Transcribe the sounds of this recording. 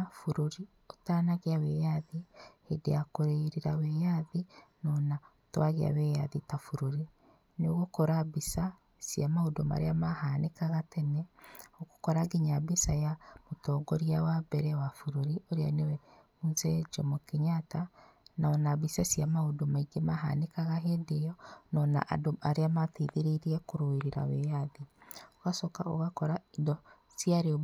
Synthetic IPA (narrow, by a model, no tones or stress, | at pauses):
fuɾoɾi | otaːnaɣeawɛjaðihedeakoɾeiɾeɾawɛjaðinɔna | twaɣea̰wɛjaðitafuɾoɾi | noɣokɔɾabisa | sjamaodoma̰ɾeamahanekaɣatɛnɛoɣokɔɾaɡeɲabisajamotɔɡɔɾiawabɛɾɛwafuɾoɾioɾea̰newɛmunzɛd͡ʒɔmokeɲata | naɔnaβisasiamaodomaiɡemaɦa̰nekaɣaɦedejɔnɔna̰ʔa̰doaɾeamateðeɾeɾiɛkoɾoeɾeɾa̰wejaðioɣasɔkao̰ɣakɔɾaendɔ | siaɾeɔ